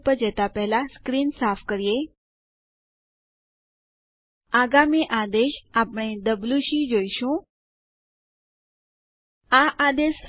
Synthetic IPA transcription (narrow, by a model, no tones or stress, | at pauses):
pəɾd͡ʒət̪apɛɦlaskɾinsafʰkəɾije | aɡamiʔad̪eʃapɽ̃ed̪əbluʃĩd͡ʒoiʃũ | aʔad̪eʃ